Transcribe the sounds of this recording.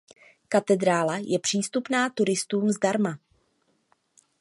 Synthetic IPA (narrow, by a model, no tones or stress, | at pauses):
kat̪ɛd̪ɾaːlajɛpr̥iːst̪upnaːt̪uɾɪst̪uːmzdaɾma